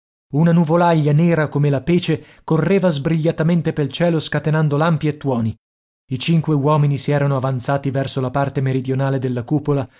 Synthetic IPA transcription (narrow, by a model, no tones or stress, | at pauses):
unanuvolaʎːanɛːɾakomelapeːt͡ʃe | korːeːvazbɾiʎːat̪ament̪epelt͡ʃɛːloskat̪enand̪olampiet̪ːwɔːni | it͡ʃiŋkwewɔːminisiɛːɾanoavant̪saːt̪ivɛrsolapart̪emeɾid̪jonaːled̪elːakuːpola